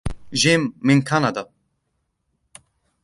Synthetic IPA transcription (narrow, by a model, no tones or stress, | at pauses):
ʒeːmːinkʰanad̪a